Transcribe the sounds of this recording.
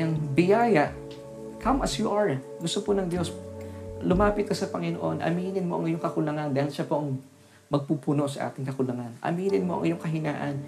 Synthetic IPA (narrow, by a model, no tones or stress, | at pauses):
ɐŋbɪjaːjɐʔ | kɐmʔɐsjuʔɐɹ | ɡʊst̪oponɐŋd̪jo̞s | lʊmaːpɪt̪̚kɐsɐpɐŋɪnoʔo̞nʔɐ̰miːnɪnmo̞ʔɐ̰ŋɪjoŋkɐkʊlɐŋand̪aːhɪlʃɐpo̞ʔɐŋ | mɐɡ̚puːpʊno̞ʔsɐʔa̰ːt̪ɪŋkɐkʊlɐŋanʔɐ̰miːnɪnmo̞ʔɐ̰ŋɪjoŋkɐɦɪnaːʔɐn